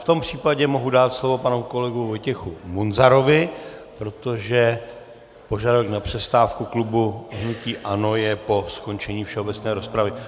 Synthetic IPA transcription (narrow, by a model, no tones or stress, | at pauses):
ft̪o̞mpr̝̥iːpaɟɛmo̞ɦudaːt̪slo̞vo̞panoko̞lɛɡuvo̞jcɛxumunzaɾo̞vɪpɾo̞t̪o̞ʒɛ | po̞ʒadoknapr̝̥ɛst̪aːfkuklubuɦnuciːʔano̞jɛpo̞sko̞nt͡ʃɛɲiːfʃɛɦo̞bɛt͡snɛːɾo̞spɾavɪ